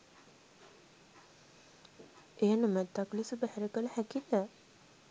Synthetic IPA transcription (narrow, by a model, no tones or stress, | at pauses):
ejanumæt̪ːakləsubəhæɾəkələhækid̪æ